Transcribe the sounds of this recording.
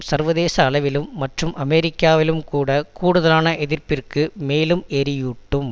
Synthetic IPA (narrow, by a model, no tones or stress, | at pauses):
sɐɾʋɐðeːsɐːɭɐʋɪlɯmːɐʈrɯmʔɐmɛɾɪkːaːʋɪlɯmkuːɽɐkuːɽɯðɐlaːnɐʔɛðɪrpɪrkɯmeːlɯmɛɾɪjuʈːɯm